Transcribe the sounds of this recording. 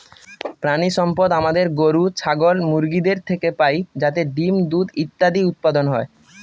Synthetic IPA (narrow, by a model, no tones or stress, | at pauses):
pɾaniʃɔmpod̪amad̪eɾɡoɾut͡ɕʰaɡolmuɾɡid̪eɾt̪ʰekepajd͡ʑat̪̬eɖimd̪ud̪it̪ːad̪iut̪̚pad̪onɦɔe